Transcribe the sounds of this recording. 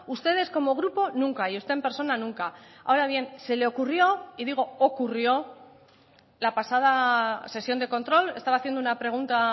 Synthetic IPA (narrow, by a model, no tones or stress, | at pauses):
ust̪e̞ð̞e̞sko̞mo̞ɣ̞ɾupo̞nũŋkaiust̪e̞empe̞ɾso̞nanũŋkaa̰oɾaβ̞je̞nse̞le̞o̞kurjo̞iðiɣ̞o̞okurjo̞ | lapasað̞ase̞sjo̞nd̪e̞ko̞nt̪ɾo̞le̞st̪aβaθjend̪ounapɾe̞ɣ̞unt̪a